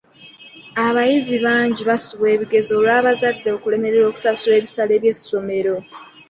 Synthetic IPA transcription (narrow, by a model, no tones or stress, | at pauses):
aβajiziβaːɲɟiβasuβwe̞ːβiɡe̞zo̞ːlwaːβazadːe̞okule̞me̞ɾeɾo̞ːku̥sasue̞ːβisale̞ːβje̞so̞me̞ɾo̞